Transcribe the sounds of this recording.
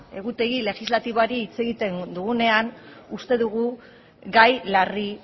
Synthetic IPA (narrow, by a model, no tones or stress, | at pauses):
e̞ɣut̪e̞ɣile̞ɣizlat̪iβoaɾiːt͡se̞ɣit̪e̞nd̪uɣune̞anust̪e̞ðuɣ̞u | ɡajlari